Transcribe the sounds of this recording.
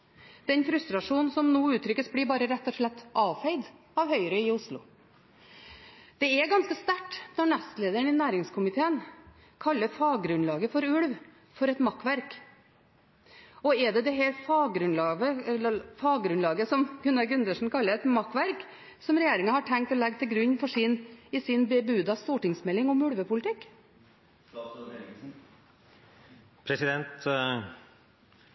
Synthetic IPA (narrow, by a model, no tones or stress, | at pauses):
d̪̥ɛnfɾʉst̪ɾɑʂuːnn̩sɔmnuːʉːt̪ʰːɾʏkːəsbliːbɑːɾəɾɛt̪ːɔʂɭɛt̪ːʔɑːʋfæɪd̪ | ɑʋhœʏəɾəɪʊʂlʊ̰ | d̪̥ɛɛɡɑnskəst̪æʈːnɔɳɛst̪leːd̪əəɳɪnæːɾɪŋskʰʊmɪt̪ʰeːən | kʰɑlːəfɑːɡɡɾʉnlɑːɡəfɔɾʉɽʋ | fɔɾɛt̪mɑkːʋæɾk | ɔɛd̪ɛd̪ɛɦɛɾfɑːɡɡɾʉnlɑːɡəfɑːɡɡɾʉnlɑːɡəsɔmɡ̥ʉnːɑɾɡʉnd̪əʂn̩kʰɑlːəɾɛt̪mɑkːʋæɾk | sɔmɾɛjeːɾɪŋɑhɑʈʰɛŋk̚t̪ɔlɛɡ̚t̪ʰɪlɡɾʉɲːfɔʂɪnɪsɪnbɛbʉːd̪ɑst̪uːʈɪŋsmɛlɪŋɔmʉɽʋəpʊlɪt̪ʰɪkː | pʰɾɛsɪd̪ɛnt̪